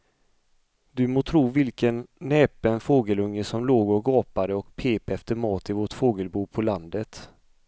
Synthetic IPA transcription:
d̪ɵmoːt̪ʰɾuːvɪlkənːɛːpənfoːɡəlɵŋːəsɔmloːɡɔɡɑːpad̪əɔkpʰeːpɛft̪əɾmɑːt̪ɪvoʈfoːɡəlbuːpʰɔland̪ət̪

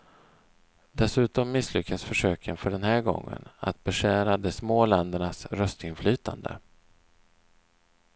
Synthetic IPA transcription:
d̪ɛsʉ̟ːt̪ɔmːɪslʏkːasfœʂøːkʰənfœɖɛnɦæːɾɡɔ̰ŋːə̰na̰t̪̚bɛʂæːɾad̪ɛsmoːlɛnd̪əɳasɾœst̪ɪnflyːt̪ʰa̰nd̪ə̰

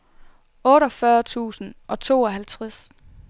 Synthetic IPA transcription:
ɔ̽ːɾɒfɶɐt͡sʰṵːsn̩ʔɒ̽t͡sʰo̝̰ːɒɦælt͡sʰʁas

